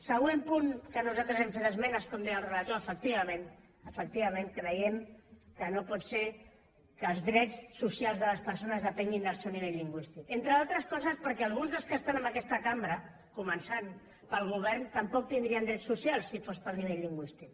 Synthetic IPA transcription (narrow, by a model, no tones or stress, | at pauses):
səɣ̞wempuŋkənuzalt̪ɾəzɛɱfet̪əzmɛnəskɔmd̪ɛjəlˠrələt̪oəfək̚t̪iβəmẽn | əfək̚t̪iβɐmẽŋkɾəjɛmkənopɔtse | kəːlˠzðɾɛt͡ssːusialˠzðələspəɾsonəzðəpɛŋɡind̪əlˠsewniβeʎːiŋɡwist̪ikent̪ɾəðalˠt̪ɾəskɔzəspəɾkɛalˠɣunzðəlˠskəst̪anəməkɛst̪əkambɾə | kumənsan | pəlˠɣ̞uβ̞ɛɾnt̪əmpɔk̚t̪ind̪ɾiənd̪ɾɛtsusialˠsːifospəlniβ̞ɛʎːiŋɡwist̪ik